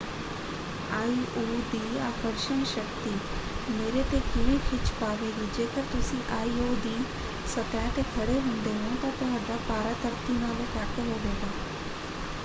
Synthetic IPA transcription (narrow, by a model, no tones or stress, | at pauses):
aːiːʔoːd̪iːaːkəɾʃənʃəkt̪iː | meːɾeːt̪eːkɪʋẽːkʰɪt͡ʃpaːʋeːɡiːd͡ʒeːkəɾt̪ʊsĩːʔaːiːoːd̪iː | sət̪ɛːt̪eːkʰəɽeːɦʊ̃nd̪eːɦõːt̪ãːt̪ʊɦaːɖaːpaːɾaːt̪əɾt̪iːnaːloːkɛːk̪eɦoːdeːɡaː